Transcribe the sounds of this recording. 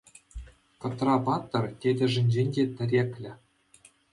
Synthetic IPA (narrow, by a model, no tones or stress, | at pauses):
kɤ̆t̪rɑpɑt̪ːɤ̆rt̪ʲedʲɘ̆ʐɘ̆nʲd͡ʑenʲdʲet̪ʲɘ̆ɾʲekʲlʲɘ̆